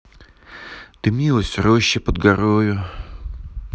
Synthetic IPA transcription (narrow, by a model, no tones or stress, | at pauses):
t̪ɨmʲilˠəsʲroɕːɪpəd̪ɡɐɾojʊ